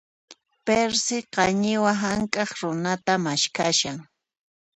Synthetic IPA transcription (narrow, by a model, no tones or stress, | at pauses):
peɾsɪqɑɲɪwaɦaŋkʼɑχɾʊnat̪amaʃkaʃaŋ